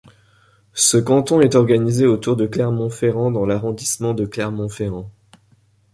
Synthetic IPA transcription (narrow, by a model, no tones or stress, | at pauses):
səkɑ̃t̪ɔ̃ɛt̪ɔʁɡanizeot̪uʁd̪əklɛʁmɔ̃feʁɑ̃d̪ɑ̃laʁɔ̃d̪ismɑ̃d̪əklɛʁmɔ̃feʁɑ̃